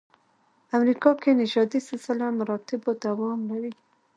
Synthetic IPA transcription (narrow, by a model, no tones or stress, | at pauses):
amɾikɑkenɪʒɑd̪isɪsɪlamaɾɑt̪ɪbod̪awɑmlaɾi